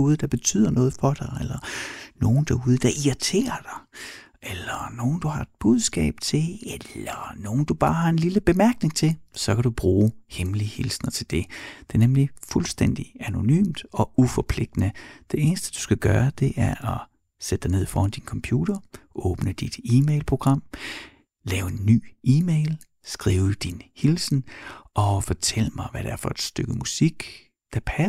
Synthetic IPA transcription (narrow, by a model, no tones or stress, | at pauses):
uːðˠəd̥ɑ̈b̥e̝t͡sʰy̰ð̞̰ˠɐnɔ̽ːð̞̩ˠfɒ̽d̥ɑ̈ɪelɐno̝ːn̩d̥ɑuːð̞ˠəd̥ɑ̈ʔiɐt͡sʰe̝̰ːɐd̥ɑ̈ɪ | ʔelɐno̝ːn̩d̥uhɑ̈e̝d̥b̥uð̞ˠsɡ̥ɛ̰ːb̥̚t͡sʰe̝elɐno̝ːn̩d̥ub̥ɑ̈ːhɑ̈e̝nliləb̥e̝mæɐɡ̥ne̝ŋt͡sʰe̝lsɒ̽kʰæd̥ub̥ʁuːhemlihilsnɐt͡sʰe̝ld̥e̝d̥e̝ɐnemlifulsd̥en̰d̥iæno̝ny̰ːmd̥ɒ̽ʔufɒpʰle̝ɡ̥̚d̥nəd̥e̝e̝ːnəsd̥əd̥u̥sɡ̥æɡ̥ɶːɐd̥e̝ʔæɐʔɒ | sed̥ə̥d̥ɑne̝ð̞̰ˠifɒ̰ːhɑnd̥inkʰɒ̽mpʰjuːɾ̥ɐʔɔːb̥nəd̥id̥iːmeɪlpʰʁo̝ɡ̥ʁɑ̈m̰ | lɛːʊe̝nːy̰ːʔiːmeɪl | sɡ̥ʁiːʊd̥inhilsn̩ʔɒ̽fɒt͡sʰel̰əmɑ̈ɪʋæɾ̥eæɐfɒ̽e̝d̥sd̥øɡ̥əmusiɡ̥ | d̥æpʰæ